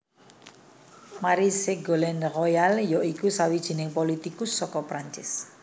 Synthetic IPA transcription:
maɾiseɡolɛnrɔjaljɔʔikusawid̥ʒ̥i̤nɪŋpɔlit̪ikusːɔkɔpɾaɲt͡ʃɪs

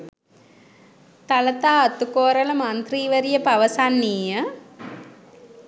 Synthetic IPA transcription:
t̪ɐlɐt̪aːɐt̪ːukoːɾɐlɐmaːnt̪riːʋɐɾijɐpɐʋɐsaːnːiːjɐ

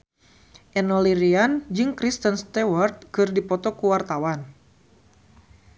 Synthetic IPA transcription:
ʔɛnɔliɾiand͡ʒɨŋkɾist̪ənst̪ɛwart̪̚kɨrdipɔt̪ɔkuwart̪awan

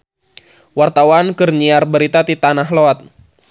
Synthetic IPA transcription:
wart̪awankərɲiarbəɾit̪at̪it̪anaɦloat̪̚

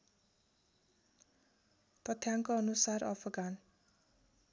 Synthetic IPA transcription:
t̪ʌt̪ʰjaŋkoʌnusarʌ̰pʰʌɡan

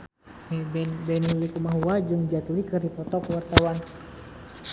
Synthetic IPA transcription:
mɛbɛnbɛnilikumaɦuad͡ʒɨŋd͡ʒat̪likɨrdipɔt̪ɔkəwart̪awan

